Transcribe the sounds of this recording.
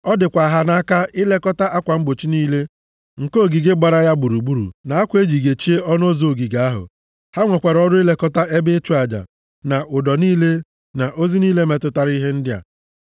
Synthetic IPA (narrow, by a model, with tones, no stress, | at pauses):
ɔ˦dɪ˨kʷa˨ɦa˦na˦a˦ka˦ɪ˦le˦kɔ˦ta˦ʔa˦kʷa˨m̩˦bo˨t͡ʃi˦niː˦le˦ | ŋ̩˨ko˦˨ɡi˨ɡe˦ɡ͡ba˨ɾa˦ja˦ɡ͡bu˨ɾu˨ɡ͡bu˦ɾṵ˨na˨a˦kʷe˦d͡ʒi˨ɡe˨t͡ʃi˦e˦ɔ˦n˦o˦zo˨ɡi˨ɡa˨˦a˦ɦʊ̰˨ | ha˦ŋʷe˨kʷa˨ɾɔ˦dʊ˦ɪ˦le˦kɔ˦ta˦e˦bɪ˦t͡ʃu˦a˨d͡ʒa̰˨ | na˨ʔʊ˨dɔ˨niː˦le˦ | na˨ʔo˦zi˦niː˦le˦me˨tʊ˦ta˦ɾi˦ɦe˦n̩˦dɪ˦a̰˨